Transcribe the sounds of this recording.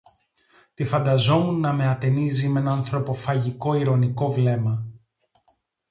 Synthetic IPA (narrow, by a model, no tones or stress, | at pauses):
t̪ifɐnd̪ɐzo̞munːɐme̞ɐt̪e̞nizime̞nɐːnθɾo̞po̞fɐʝiko̞iɾo̞niko̞vle̞mɐ